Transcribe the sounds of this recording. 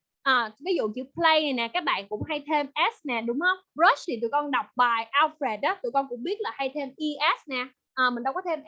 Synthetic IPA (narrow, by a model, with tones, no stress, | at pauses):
ʔəː˨˩vi˨˦zṵ˧˨t͡ɕḭ˧˥pʰlə˧ja˨˩nɛː˨˩kaː˦˥k̚ɓa̰ː˧˨nkʊ̰˧˥ŋ͡mɦa˧jt̪ʰe˧mʔɛ˦˥snɛː˨˩ɗʊ˨˦ŋ͡mhə˧wŋ͡mzəː˦˥st̪ʰi˨˩t̪ɨ̰˧˨jkɔ˧nɗɔ˨˩wk͡p̚ɓaː˨˩jʔaː˧wfɾe˨˩t̚ɗaː˨˦t̪ɨ̰˧˨kɔ˧nkʊ̰˧˥ŋ͡mɓi˦˥ət̚laː˨˩ha˧jt̪ʰe˧mʔi˧ʔɛ˦˥snɛː˨˩ | ʔəː˨˩mi̟˨˩ɗa˧wkɔ˨˦t̪ʰe˧m